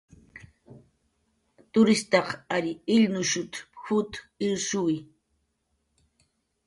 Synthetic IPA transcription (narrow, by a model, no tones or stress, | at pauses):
t̪ʊɾɪst̪ɑqaʎɪɪʎnʊʃʊt̪xʊt̪ɪɾsuj